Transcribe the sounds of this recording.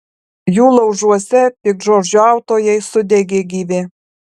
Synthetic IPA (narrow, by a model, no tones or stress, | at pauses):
julˠɐwʒuɔsʲɛpʲikʒord͡ʒʲuɑwt̪ojɛjsʊd̪ʲeɡʲeɡʲiːʋʲe